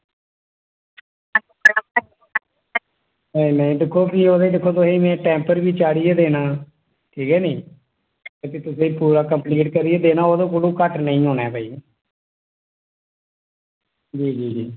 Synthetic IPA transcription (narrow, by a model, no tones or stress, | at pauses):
nəĩnɛ̃ĩːdɪkʰːoːpiːoːd̪eːd̪ɪkʰːoːt̪ʊsẽːmɛ̃ːʈɛ̃ːmpəɾʋiːt͡ʃaːɽiɛːd̪eːnaː | ʈʰiːkɛːnĩː | t̪eːt̪ʊsẽːpuːɾaːkəmpliːʈkəɾieːd̪eːnaːoːd̪õːk̬olũːkəʈnəĩːɦoːnɛːpəːiː | d͡ʒiːd͡ʒiːd͡ʒiː